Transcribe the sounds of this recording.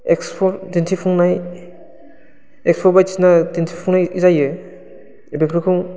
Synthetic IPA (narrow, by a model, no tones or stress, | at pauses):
ekspʰɔɾdintʰipʰuŋnaj | ekspʰɔɾbatinadintʰipʰuŋnajizajɯ | ebekʰɾikʰɯŋ